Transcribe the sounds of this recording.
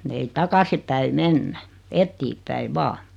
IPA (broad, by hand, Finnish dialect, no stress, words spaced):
ei tɑkɑsi pæi menːæ etːiːpˑæi ʋɑː